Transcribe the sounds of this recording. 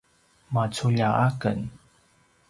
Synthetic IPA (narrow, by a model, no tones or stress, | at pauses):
mat͡suʎaʔakə̰n